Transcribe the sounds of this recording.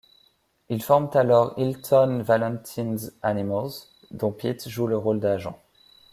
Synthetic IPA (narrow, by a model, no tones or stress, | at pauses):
ilfɔʁmt̪alɔʁilt̪ʰɔnvalɑ̃nt̪ʰinzanimɔlz | d̪ɔ̃pit̪ʒuləʁold̪aʒɑ̰̃